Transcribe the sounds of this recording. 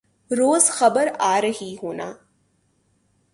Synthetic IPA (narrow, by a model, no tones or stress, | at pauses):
ɾoːzxɐbəɾaːɾɐɦiɦoːna̰ː